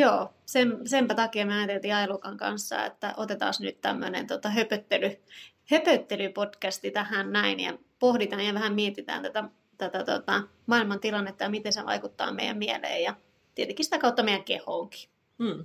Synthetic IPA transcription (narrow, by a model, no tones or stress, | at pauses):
joːsemsempæt̪ɑkiɑmyøɑjɑt̪elt̪iːɑelukɑŋkɑ̰nsːɑ̰ḛt̪ːæ̰ʔot̪et̪ɑ̰ːsnyt̪t̪æ̰mːø̰nḛnt̪ot̪ɑhøpøt̪ːely | høpøt̪ːelypod̥kæst̪it̪æhænnæinjɑ̰ | pohdit̪ɑːnjɑʋæhæmmiet̪it̪æ̰ːnt̪æt̪æ | t̪æt̪æt̪o̰t̪ɑ | mɑilmɑnt̪ilɑnːet̪ːɑjɑmit̪enseʋɑ̰ikut̪ːɑ̰ːmḛijæ̰mmielḛːjjɑ | t̪iet̪eŋkːˑisit̪ækɑut̪ːɑmeijæŋkḛhoːŋki̥